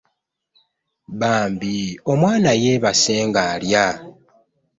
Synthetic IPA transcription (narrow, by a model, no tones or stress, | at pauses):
βaːmbio̞mwaːnajeβaseːŋɡaːlja